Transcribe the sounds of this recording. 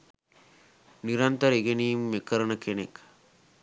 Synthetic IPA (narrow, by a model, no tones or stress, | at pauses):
niɾɐnt̪əɾeɡeniːmːekəɾənəkenek